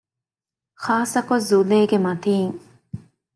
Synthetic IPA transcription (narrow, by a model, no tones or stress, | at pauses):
xaːsɐkozːuleːɡemɐt̪iːŋ